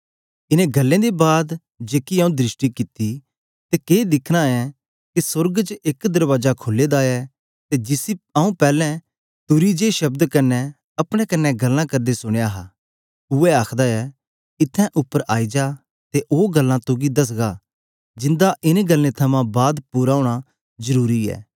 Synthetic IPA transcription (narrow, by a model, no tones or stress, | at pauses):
ɪnẽɡɐlːẽd̪ebaːd̪ | d͡ʒeːkiaũd̪ɾɪʃʈikɪt̪ːi | t̪ekeːd̪ɪkʰɽ̃aɛ | kisʊɾɡt͡ʃekd̪ɐɾʋaːd͡ʒakʰoːlːed̪aːɛ | t̪ed͡ʒɪsiaũpɛːlɛ̃ | t̪ʊɾid͡ʒeʃɐbd̪kɐnːɛ | ɐpɽ̃ɛkɐnːɛɡɐlːãkɐɾd̪esʊɽ̃ejaɦa | ʊɛaːkʰd̪aɛ | ɪt̪ʰːɛ̃ʔʊpːəɾaːid͡ʒaː | t̪eʔoːɡɐlːãt̪ʊɡid̪ɐs̬ɡa | d͡ʒɪ̃nd̪aʔɪneɡɐlːẽt̪ʰɐmãbaːd̪pʊɾaːuɽ̃a | zəɾuːɾiɛ̰ː